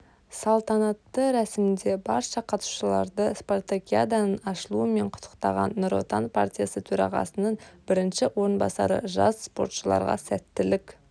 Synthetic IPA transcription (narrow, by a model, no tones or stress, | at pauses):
sɑlˠt̪ɑnɑt̪ːəɾæsɪmɪnd̪e̞bɑɾʃɑqʰɑt̪u̥ʃəlˠɑ̰ɾd̪əsport̪akʲiad̪anənɑʃəlˠuəme̞ɴqʰʊ̥t̪ʰə̥qt̪ɑʁɑ̰nːʊɾo̞̰t̪anpʰa̰rt̪ʲijasət̪ʰɵɾɑ̰ʁɑ̰sənəɴbɪɾɪnʃɪwo̞ɾənbɑ̰sɑɾə̰ʒɑ̰sspo̞ɾt̪ʃəlˠɑ̰ɾʁɑ̰sæt̪ːɪlɪk